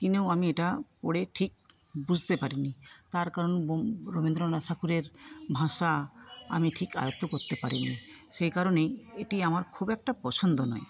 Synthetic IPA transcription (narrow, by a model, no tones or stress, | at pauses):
t̪inewamieʈapoɽeʈʰik̚ | bud͡ʑʱt̪epaɾinit̪aɾkaɾonboɾobind̪ɾonatʰakuɾeɾbʱaʃaa̰miʈʰika̰jot̪ːokoɾt̪epaɾini | ʃejkaɾoneeʈiamaɾkʰubɛk̚ʈapɔt͡ɕʰond̪onɔ̰e